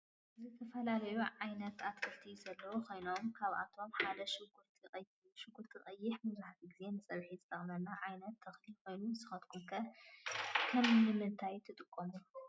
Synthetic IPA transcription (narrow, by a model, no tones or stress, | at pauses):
zɨt̪ʰɐfɐlalɐjuʕajnɐt̪ʰat̪kʰɨlt̪ʰizɐlːɐwukʰo̞jno̞mkʰaβa̰t̪ʰo̞mħad̪ɐʃʼ | ʃɨɡut̪ʰɨχʼɐjːɪħmɨzaħat̪ʰiɡɨze̞nɨt͡sʼɐβħizɨt̪ʰɐχʼnɐlnaʕajnɐt̪ʰːɐxlikʰo̞jnunɨsɨ̥xɐt̪kʰumkʰɐ | kʰɐmnɨmɨnt̪ʰajt̪ʰɨt̪ʼɨkʼːomu